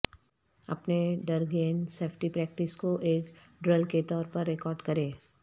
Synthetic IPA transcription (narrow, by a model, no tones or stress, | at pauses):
ɐ̰pneɖɐɾɡeːnseːfʈipɾɛːk̚ʈɪskoʔeːk | ɖɾəlket̪ɔːɾpɐɾːekɔːɾɖkɐɾẽː